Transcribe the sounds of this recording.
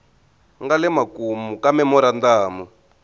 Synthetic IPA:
ŋɡalɛmakumukamɛmɔɾand̪aːmu

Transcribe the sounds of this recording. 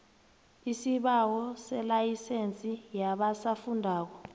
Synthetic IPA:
isiɓawɔsɛlajisent͡sʼijaɓasafundʱaːk̬ɔ

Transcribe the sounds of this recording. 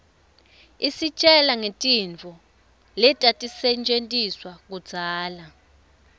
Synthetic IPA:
isit͡ʃʼɛlaŋetʼint͡fɔ | lɛtʼatʼisɛnt͡ʃʼentʼiswak̬ud̥d͡z̥ʱaːla

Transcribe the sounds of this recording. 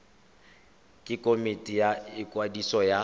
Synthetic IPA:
kʼɪkʼomitʼijaɪkʼwadisɔja

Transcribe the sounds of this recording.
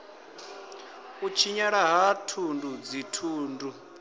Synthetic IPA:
ut͡ʃʰiɲaɺaɦatʰundud͡zitʰuːndu

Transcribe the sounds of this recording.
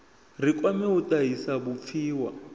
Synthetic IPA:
rikʼwamɛutʼaɦisabup̪fʰiːwa

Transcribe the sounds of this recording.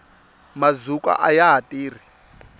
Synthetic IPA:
mazukʼa̰ʔajaɦatʼiːri

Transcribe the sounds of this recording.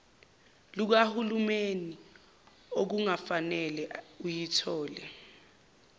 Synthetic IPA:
luk̬ahulumeni | ok̬uŋafanɛlɛujitʰɔːlɛ

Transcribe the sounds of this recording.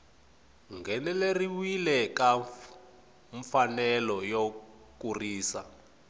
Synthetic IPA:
ŋɡʱɛnɛleriwilɛka | ɱfanɛlɔjo | k̬uriːsa

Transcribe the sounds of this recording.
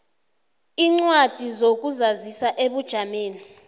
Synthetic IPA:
iːŋ͡ǀwad̥ʱizok̬uzazisaʔeɓud̥ʒ̥ʱameːni

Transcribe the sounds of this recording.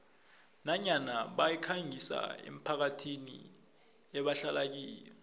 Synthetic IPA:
naɲanaɓajɛkʰaŋisa̰ḛm̩pʰak̬atʰinḭ | ɛɓaɬalak̬iːlɛ

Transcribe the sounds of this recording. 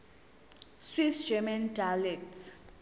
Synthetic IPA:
swisd͡ʒɛmandalɛkts

